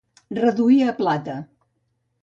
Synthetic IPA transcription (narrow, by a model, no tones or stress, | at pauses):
rəðuiəːplat̪ə